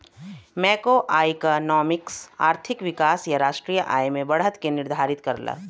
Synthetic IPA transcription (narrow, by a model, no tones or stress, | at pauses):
mɛːkoʔaːjkanɔːmɪksa̰ːɾt̪ʰɪkʋɪkaːsjaɾaːʃʈɾijəʔaːjmẽbɐɽɦət̪kenɪɾd̪ʱaːɾɪt̪kɐɾla̰ː